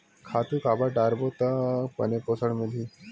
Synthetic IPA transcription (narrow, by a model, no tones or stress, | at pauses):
kʰaːt̪ukaːbaɖaːɾbot̪apɐ̰neposəɽmeli